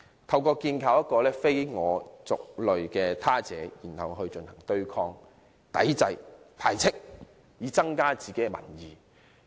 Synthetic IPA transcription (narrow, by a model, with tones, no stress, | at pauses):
t̪ʰɐ˧wkɔː˧kiː˧nkʰaː˧˩wjɐ˥t̚kːɔː˧lɛː˥fe˥jŋɔː˨˧t͡sʊ˨k̚lɵ˨ɥkɛː˧t̪ʰaː˥t͡sɛː˨˥jiː˨˩nhɐ˨wɦɵ˧ɥt͡ʃɵ˧nhɐ˨˩ŋt̪ɵ˥ɥkʰɔː˥ŋ | t̪ɐ̰˨˥jt͡sɐ˧jp̪ʰaː˨˩jt͡sʰɪ˥k̚ | jiː˨˧t͡sɐ˥ŋkaː˥t͡siː˨ke˨˦˥ɛ˧mɐ̰˨˩njiː˨˩